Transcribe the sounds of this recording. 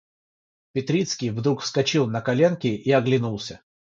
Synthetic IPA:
pʲɪt̪ɾʲit̪skʲijvd̪ɾukfskɐt͡ɕilˠnəkɐlʲe̞nkʲɪʔiɐɡlʲɪnulˠsʲə

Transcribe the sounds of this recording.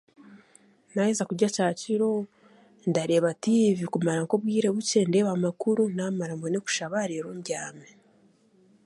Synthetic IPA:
naezakuɾɟacaːciɾo̞ | ndaɾe̞βativikumaɾaŋko̞βwiːɾe̞βuce̞nde̞βamakuɾunaːmaɾamboneku̥ʃaβaɾeɾomɟaːme

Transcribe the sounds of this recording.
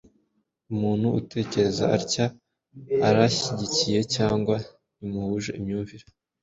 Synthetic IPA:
umuːn̥huute̞ːce̞ɾe̞zaaɾcaː | ɾaçiɟicije̞caːŋɡwa | nimuhuʒeimɲuːɱviɾe

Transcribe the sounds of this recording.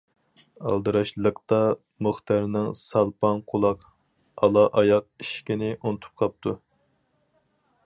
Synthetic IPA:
ɑ̰lˠd̪ɨɾɑʃlˠəqt̪ɑ | moχt̪ɑɾnɪŋsɑlˠpɑnqʰolˠɑq | ɑlˠɑʔɑjɑq̚iʃkʲinɪʔunɨt̪ʰu̥p̚qʰɑp̚t̪ʰu

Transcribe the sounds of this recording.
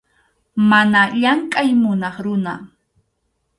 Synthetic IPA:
manaʎaŋkʼajmʊnɑχɾʊna

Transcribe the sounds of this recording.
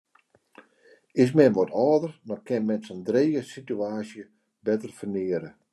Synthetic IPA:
ɪs̬mɛnʋɔtʰɔːdərnɔkɪnmɛnsɔndreːɡəsityaːsjə | bɛtərfərnɪəɾə

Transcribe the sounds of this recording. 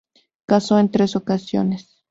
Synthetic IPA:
kasoent̪ɾesokasjo̰nes

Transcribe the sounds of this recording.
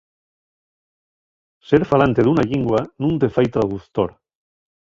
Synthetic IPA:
seɾfalant̪eðunaʎiŋɡwanũnt̪efajt̪ɾaðuθt̪oɾ

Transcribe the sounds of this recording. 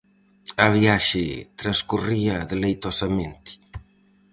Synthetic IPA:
ɐβiaʃet̪ɾaskuriaðelejt̪ɔsɐmẽnt̪i̥

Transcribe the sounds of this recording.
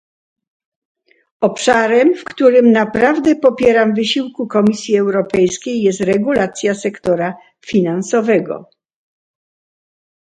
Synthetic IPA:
ɔpʂaɾɛmfkt̪uɾɘmnapɾavd̪ɛpɔpʲjɛɾamvɘɕiwkukɔmʲisʲjiɛwɾɔpɛjskʲejːɛst̪ɾɛɡulat̪sʲjasɛkt̪ɔɾa | fʲinansɔvɛɡɔ̰

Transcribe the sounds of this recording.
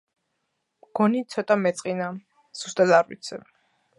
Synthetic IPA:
mɡ̥ɔnit̪sʰɔt̪ʼamɛt̪sʼqʼina | z̥ust̪ʼad̪aɾvḭt̪sʰɛ

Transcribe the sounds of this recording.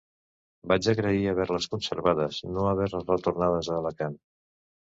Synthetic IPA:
bad͡ʒəɣɾəiəβɛɾləskunsəɾβaðəznoəβ̞ɛɾləzrət̪uɾnað̞əzələkan

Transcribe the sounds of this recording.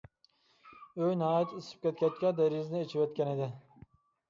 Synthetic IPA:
øjnɑːjɛt̪ʰisɪ̥p̚kʲʰɛt̪kʲɛt̪kʲɛd̪ɛɾiznɪet͡ʃʰivɛt̪̚kʲɛnɪd̪ɪ

